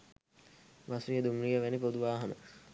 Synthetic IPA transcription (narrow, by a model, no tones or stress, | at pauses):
ʋasɾijəd̪umɾijəʋænipod̪uʋaːɦɐnə̰